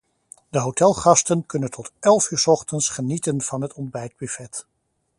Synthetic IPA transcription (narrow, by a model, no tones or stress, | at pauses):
dəɦowtɛlˠχɑstənkɵnəntʰɔtɛlˠfyːɹsɔχtənsχənitənv̥ɑnɦətʰɔndbɛjd̚byfɛt